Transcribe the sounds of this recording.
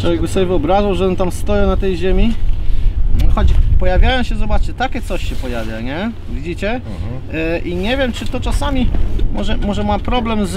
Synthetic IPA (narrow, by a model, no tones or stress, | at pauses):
t͡ʂɔvʲjɛɡ̚bɘsɔbʲjɛvɨɔbɾaʐawʐɛɔnt̪amst̪ɔjɛnat̪ɛjʑemʲi | xɔt͡ɕpɔjavʲjajɔ̃w̃ɕɛzɔbat͡ʂɛt̪akʲɛt̪sɔɕɕɛpɔjavʲjaɲɛ | vʲid͡ʑit͡ɕɛ | ʔiɲɛvʲjɛmt͡ʂɘt̪ɔt͡ʂasamʲimɔʐɛmɔʐɛmapɾɔblɛmz